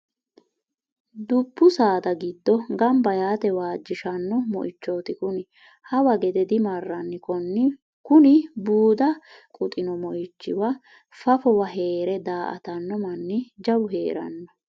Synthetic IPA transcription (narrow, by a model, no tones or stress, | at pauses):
d̪ʊpːʊsaːd̪ɐɡɪd̪ːɔɡɐmbɐjaːt̪ɛwaːd͡ʒːɪʃɐnːɔmɔ̰ʔɪt͡ʃːoːt̪ɪkʊnɪ | hɐwɐɡɛd̪ɛd̪ɪmɐrːɐnːɪkɔnːɪ | kʊnɪbuːd̪ɐkʼʊt̪ʼɪnɔmɔʔɪt͡ʃːɪ̰wɐ | fɐfɔwɐɦe̞ːɾɛd̪aːʔɐ̰t̪ɐnːɔmɐnːɪd͡ʒɐwʊɦḛːɾɐ̰nːɔ